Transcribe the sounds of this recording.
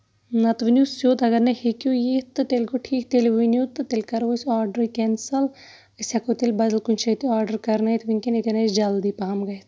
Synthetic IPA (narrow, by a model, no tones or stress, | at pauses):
nɐt̪ʋinʲjusjoːt̪ɐɡɐɾnɐhekʲjojet̪ɨt̪elʲɡoʈʰiːkt̪elʋinjuːt̪ɨt̪elʲkɐɾʋosaːɾɖəɾikʲɛnsɐl | əsʲɐkot̪elʲbɐd̪ɐlkunʲt͡ʃʰɐt̪iaːɾɖɐɾkɐɾnɐjt̪ʰʋinʲkʲenet̪ʲenɐt͡ʃd͡ʒɐld̪iːpaːmɡɐjt̪